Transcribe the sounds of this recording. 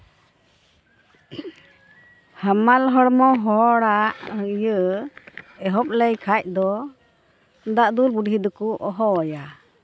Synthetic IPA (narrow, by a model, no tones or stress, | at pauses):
hamalɦɔɽmɔɦɔɽaʔjə | ɛɦɔp̚lɛjkʰac̚ˀd̪ɔ | nd̪aʔd̪ulbuɖɦid̪ukuʔɔɦɔja